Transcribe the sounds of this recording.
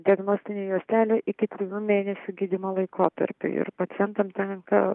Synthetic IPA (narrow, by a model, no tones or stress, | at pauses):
d̪ʲiɐɡnoːsʲt̪ʲɪnʲeːjuːsʲt̪ʲæːlʲoːʔɪkʲɪt̪ʲɾʲɪjuːmʲeːnʲɛsʲʊːɡʲid̪ʲɪmolˠɐɪkʰoːt̪ɐ̰ɾʲpʲʊ̰ɪ̰ɾpɐt̪sʲɪjɛnt̪ɐmt̪ʲɛŋkɐ̰